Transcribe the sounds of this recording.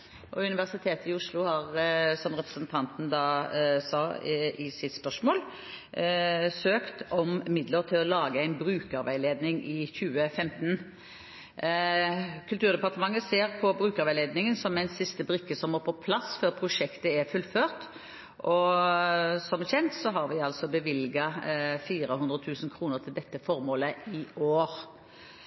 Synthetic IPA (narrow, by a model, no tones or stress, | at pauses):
ʔɔʉnɪʋæʁsɪt̪ʰeːt̪əɪʊʂlʊhɑʁsɔmʁɛpɾə̥sənt̪ʰɑnt̪n̩d̪ɑːsɑːɪsɪt̪spœʂmoːl | søːkt̪ɔmmɪd̪ləʁt̪ʰɪlɔlɑːɡəæɪnbɾʉːkɑʋæɪleːd̪nɪŋʔɪçʉːəfɛmt̪n̩ | kʰʉlt̪ʉːʁd̪ɛpɑʁt̪əmɑŋːəseːʁpʰɔbɾʉːkɑʁʋæɪleːd̪nɪŋənsɔmɛɪnsɪst̪əbʁɪkːəsɔmɔːpʰɔpʰlɑsføːʁpʰʁʊʂɛkt̪əɛʁfʉlføːʁt̪ | ʔɔ | sɔmçɛnt̪sɔɦɑɾʋɪɑlsɔbəʋɪlɡɑfiːɾəhʉnd̪ʁət̪ʰʉːsənkʰɾuːnəʁt̪ʰɪld̪ɛt̪ːəfɔɾmoːləɪoːɾ